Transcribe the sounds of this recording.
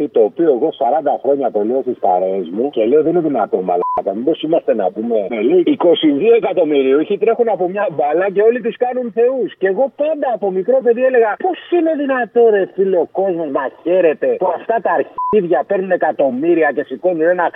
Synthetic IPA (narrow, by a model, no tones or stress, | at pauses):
it̪o̞ːpio̞eɣo̞sɐɾɐnd̪ɐxɾo̞ɲɐt̪o̞liost̪ispɐ̰ɾeːzmuce̞leo̞ðenineðinɐ̰t̪o̞mɐ̰lɐɐt̪ɐmibo̞simɐst̪e̞nɐ̰pume̞eliiko̞siðie̞kɐt̪o̞miɾioiçit̪ɾe̞xunɐpo̞mɲɐbɐlɐce̞o̞lit̪̬iskɐnunθe̞usce̞ɣo̞pɐnd̪ɐːpo̞mikɾo̞pe̞ðie̞le̞ɣɐpo̞sine̞ðinɐt̪o̞ɾe̞θileoko̞zmo̞znɐçe̞ɾe̞t̪e̞puɐft̪ɐt̪ɐːɾçiðʝɐpe̞ɾnune̞kɐt̪o̞miɾiɐce̞siko̞nuɾenɐk